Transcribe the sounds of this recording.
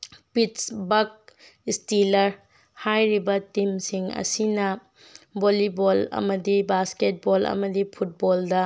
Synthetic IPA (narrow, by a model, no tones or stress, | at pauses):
pitsbɐk̚ | istilɐɾ | hajɾibɐtimsiŋɐ̰sinɐ | bolibolɐ̰mɐdibasket̚bolɐ̰mɐdipʰut̚boldɐ